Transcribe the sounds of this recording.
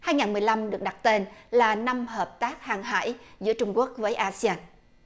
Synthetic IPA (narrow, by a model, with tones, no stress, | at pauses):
haː˧jŋaː˨˩nmɨ˨˩əjla˧mɗɨ˨˩ək̚ɗa˨˩t̚t̪e˧nlaː˨˩na˧mhəː˨˩p̚t̪aː˦˥k̚haː˨˩ŋɦa̰ː˧˥jzɨ̰˧˥ət͡ɕʊ˧ŋ͡mku˦˥ək̚vəː˨˦jʔaː˧si˧aː˧n